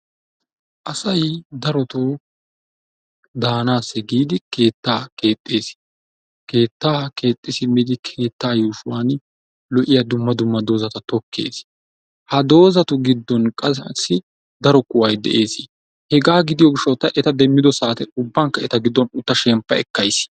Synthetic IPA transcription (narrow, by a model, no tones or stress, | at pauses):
ʔɐsɐjd̪ɐɾɔt̪oː | d̪aːnaːsɛɡiːd̪ɪke̞ːt̪ːaːke̞ːt̪ʼːeːs | ke̞ːt̪ːaːke̞ːt̪ʼːɪsɪmɪd̪ɪkʰe̞ːt̪ːaːjuːʃʊwaːn | lɔʔɪjɐd̪ʊmːɐd̪ʊmːɐd̪o̞ːzɐt̪ɐt̪ɔkːe̞̰ːs | hɐd̪o̞ːzɐt̪ʊɡɪd̪ːɔnkʼɐssːɪ | d̪ɐɾɔkʊwɐjd̪ɛ̰ʔeːsɪ | hɛɡaːɡɪd̪ɪjɔɡɪʃːɔt̪ːɐʔɛt̪ɐd̪ɛmːɪd̪ɔsaːt̪ɛʊbːɐŋkːɐɛt̪ɐɡɪd̪ːɔnʊt̪ːɐʃɛmpːɐɛ̰kːɐjs